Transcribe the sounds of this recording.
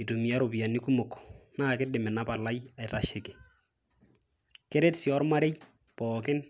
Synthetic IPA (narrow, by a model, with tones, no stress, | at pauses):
i˨tu˨mi˨a˦ɾo˨bi˨a˨nɪ˦kʊ˦mʊ˨kːnaː˦kɪ˦dɪ˨mɛ˨na˦pa˨la˦ja˨jta˦ʃɪ˨kɪ˨ | ke˦ɾe˦tsɪɔ˦rma˦ɾe˦j | pɔːkɪ˦n